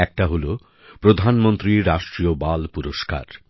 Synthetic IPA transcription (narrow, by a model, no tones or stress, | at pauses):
ɛk̚ʈaɦolo | pɾod̪ʱanmont̪ɾiɾaʃʈɾiobalpuɾoʃka̰ɾ